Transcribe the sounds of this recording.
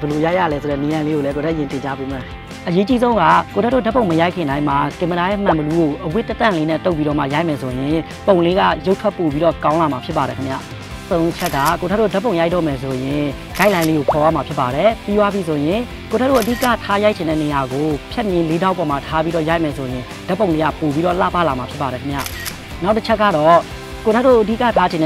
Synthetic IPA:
bə˨lo˨ja˦ɪʔja̰˦˨lɛ˦sʰo˨ɛ̰˦˨ne˨ã˨le˦ɣo˨lɛ˦k̬o˨tʰɛ˦ʔə˨jɪ̃˨ntɪ̃˨ɲt͡ɕa˦bu˦˨mã˨ | ʔəje˦t͡ɕi˦zõ˦ʊ̃ŋɡa̰˦˨ko˨tʰɛ˦tːo̰˦˨dɛ˦põ˨ʊ̃mə˨ja˦ɪʔkʰːɪ̃˨ndã˦ɪ̃ma˨kɪ̃˨mbə˨na˨jɛ˦˨mã˨mbə˨lu˦ɡo˨ʔəwɪ˦tːə˦t̪ã˨le˦nɛ˦˨t̪o˦ʊʔpːi˦ɾɔ˦˨ma̰˦˨ja˦ɪʔmɛ˨sʰo˨jɪ̃˨ | põ˨ʊ̃le˦ɡa̰˦˨jo˦ʊtʰwɛ˦ʔpːo˨pi˦ɾɔ˦˨kã˦ʊ̃la˨ma˨pʰjɪ˦pːa˨ɾɛ˨kʰə˦mja̰˦˨ | õ˨ʊ̃ʔət͡ɕʰɛ˦ʔkːa̰˦˨ko˨tʰɛ˦tːo˦˨dɛ˦põ˨ʊ̃ja˦tɔ̰˦˨mɛ˨sʰo˨jɪ̃˨ | ɡ̥a˦ɪʔlã˦ɪ̃le˦ɡo˨pʰɔ˨wa̰˦˨ma˨pʰjɪ˦pːa˨ɾɛ˨pi˦wa˦pi˦sʰo˨jɪ̃˨ | ko˨tʰɛ˦tːo̰˦˨ʔədi˦˨ka̰˦˨tʰa˦ja˦ɪʔ̚t͡ɕʰɪ̃˨ndɛ̰˦˨ne˨ja˨ɡo˨pʰjɛ˦ʔmjɪ̃˦le˦da˦ʊpɔ˨ma˨tʰa˦pi˦ɾɔ˦˨ja˦ɪʔmɛ˨sʰo˨jɪ̃˨ | da˦pːõ˨le˦ɡa̰˦˨po˨bi˦ɾɔ˦˨la̰˦˨pa˦la˨ma˨pʰjɪ˦pːa˨ɾɛ˨kʰə˦mja̰˦˨ | na˦ʊtət͡ɕʰɛ˦kːa̰˦˨ɾɔ˦˨ | ko˨tʰɛ˦to̰˦˨ʔədḭ˦˨ka̰˦˨tʰa˦d͡ʑɪ̃˨nɛ

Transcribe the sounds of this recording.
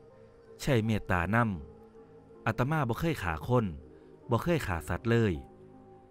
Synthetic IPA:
t͡ɕʰa˧˩jmeː˧˩t̪ːa̰ː˨˩˦na˧˥˨m | ʔa˧˩t̪ːa˧maː˧˥˨bɔː˧˦kʰɤː˧˥˨jkʰaː˩˦kʰo˧˥˨n | bɔː˧˦kʰɤː˧˥˨jkʰaː˩˦sa˨˦t̪̚lɤː˧˥˨j

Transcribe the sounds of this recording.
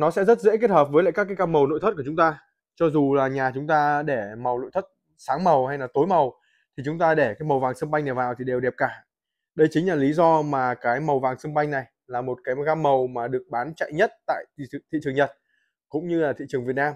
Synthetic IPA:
nɔ˨˦sɛ̰˧˥zə˦˥t̚zḛ˧˥ke˦˥t̚həː˨˩p̚vəː˨˦jla̰ː˧˨kaː˦˥kaː˨˦kaː˧mə˨˩wno̰˧˨jt̪̚ʰku˧˩˨t͡ɕʊ˨˦ŋ͡mt̪aː˧ | t͡ɕɔ˧zu˨˩laː˨˩ɲaː˨˩t͡ɕʊ˨˦ŋ͡mt̪aː˧ɗe˧˩ma˨˩wno̰˧˨jt̪ʰə˦˥t̚ | saː˨˦ŋmə˨˩wha˧jlaː˨˩t̪o˨˦jmə˨˩w | t̪ʰi˨˩t͡ɕʊ˨˦ŋ͡mt̪aː˧ɗe˧˩kaː˨˦jmə˨˩wvaː˨˩ŋsə˧ŋɓa˧jŋna˨˩vaː˨˩wt̪ʰi˨˩ɗe˨˩wɗɛ˨˩p̚kaː˧˩ | ɗə˧jt͡ɕï˨˦ŋ̟laː˨˩li˨˦zɔ˧maː˨˩kaː˨˦jmə˨˩wvaː˨˩ŋsə˧ŋɓa˧jŋ̟na˨˩j | laː˨˩mo˨˩t̚kaː˨˦jɣaː˧mːə˨˩wmaː˨˩ɗɨ˨˩ək̚ɓaː˨˦nt͡ɕa̰˧˨jɲə˦˥t̚t̪a̰ː˧˨jt̪ʰḭ˧˨t͡ɕɨ˨˩əŋɲə˨˩t̚ | kʊ̰˧˥ŋ͡mɲɨ˧laː˨˩t̪ḭ˧˨t͡ɕɨ˨˩əŋvi˨˩ət̚naː˧m

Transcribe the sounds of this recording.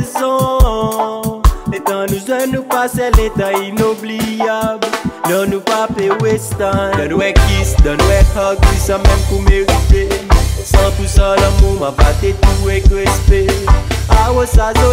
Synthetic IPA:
zɔ̃˦ | e˨t̪ã˨nũ˨zɛ˦nũ˦pa˦sɛ˦le˧t̪ã˨i˧no˦bli˦ablnɔ̃˨nũ˨pa˦pe˨we˦st̪ã˦˨nũ˦ɛ˧kisd̪ã˨nũ˦ɛkʰa˦ki˦sã˧mɛ̃˦mkũ˧me˦vi˦t̪e˦sã˦t̪u˧sã˦lã˧mũ˦mã˨ba˨t̪e˦t̪u˦e˦kle˦st̪e˦awo˦sa˨zõ˦

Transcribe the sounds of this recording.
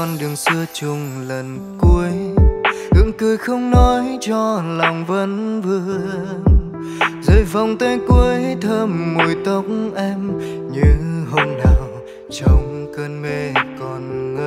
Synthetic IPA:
ɔ˧nɗɨ˨˩əŋsɨ˧ət͡ɕʊ˧˩ŋ͡mlə˨˩n | ku˧əjkɨ̰˧˥əŋkɨ˧əjxə˧wŋ͡mnɔ˨˦jt͡ɕɔ˧lɔ˨˩wŋ͡mvə˧˦nvɨ˧ | zə̰˧˦jva˨˩wŋ͡mt̪ə˧˦jkwi˧əjt̪ʰəː˧mːo˨˩jt̪ə˨˦wk͡p̚ŋ͡mʔɛ˧m | ɲɨ˧ɦə˧wŋ͡mnaː˨˩w | t͡ɕɔ˧wŋ͡mkəː˧nme˧˩kɔ˨˩nŋə˧

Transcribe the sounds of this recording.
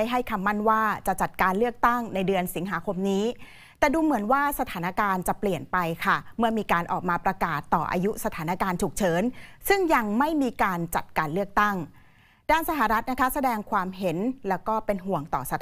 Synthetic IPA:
a˥˩jɦa˥˩jkʰa˧mːa˥˩nwaː˥˩t͡ɕa˨˩t͡ɕa˨˩t̪̚kaː˧nlɯ˥˩ək̚t̪a˥˩ŋna˧jdɯ˧ənsi˨˩˦ŋɦaː˩˦kʰo˧mniː˦˥ | t̪ɛː˨˩duː˧mɯ˩˦ənwaː˥˩sa˧t̪ʰaː˩˦na˦˥kaː˧nt͡ɕa˨˩pli˨˩ənpa˧jkʰa˥˩mɯ˥˩ɐmiː˧kaː˧nʔɔ̰ː˨˩k̚maː˧pɾa˧kaː˨˩t̪ːɔ̰ː˨˩ʔa̰ː˧ju˦˥sa˧t̪ʰaː˩˦na˦˥kaː˧nt͡ɕʰu˨˩k̚t͡ɕʰɤː˩˦nsɯ˥˩ŋja˧ŋma˥˩jmiː˧kaː˧nt͡ɕa˨˩t̪̚kaː˧nlɯ˥˩ək̚t̪a˥˩ŋ | daː˥˩nsa˧ɦa˨˩ɾa˦˥t̪̚na˦˥kʰa˦˥sa˧dɛː˧ŋkʰwaː˧mɦe˩˦nlɛː˦˥wkɔː˥˩pe˧nɦu˨˩əŋt̪ɔː˨˩sa˧

